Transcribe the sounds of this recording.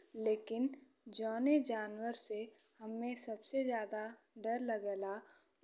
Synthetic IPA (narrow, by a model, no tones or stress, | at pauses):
leːkɪn | d͡ʒɔːned͡ʒaːnwəɾsehɐmːẽsɐbsezjaːd̪a | ɖɐɾlɐɡɛːla